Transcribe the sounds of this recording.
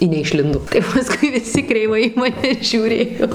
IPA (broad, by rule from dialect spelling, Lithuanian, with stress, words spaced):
ɪ nʲɛɪʃʲˈlʲɪndoː tɐɪ pɐˈskʊɪ ʋʲɪˈsʲɪ krʲɛɪˈʋɐɪ iː mɐˈnʲɛ ʒʲuːˈrʲeːjoː